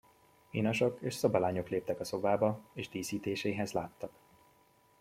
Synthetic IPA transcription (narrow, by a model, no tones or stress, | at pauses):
inɒʃokeːʃsɒbɒlaːɲo̞kleːp̚t̪ɛkɒso̞baːbɒeːʒd̪iːsiːt̪eːʃeːɦɛzla̰ːt̪ːɒk